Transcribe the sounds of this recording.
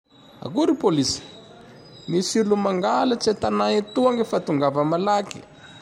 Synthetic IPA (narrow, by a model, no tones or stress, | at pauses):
a̰kuɾipolisi̥ | misilumaŋɡalat͡sat̪anait̪uaŋɡefat̪uŋɡavəmalaki̥